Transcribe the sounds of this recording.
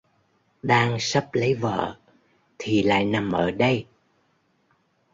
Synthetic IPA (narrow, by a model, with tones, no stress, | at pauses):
ɗaː˧ŋsə˦˥p̚lə˨˦jvə̰ː˧˨ | t̪ʰi˨˩la̰ː˧˨jna˨˩mʔəː˧˩ɗə˧j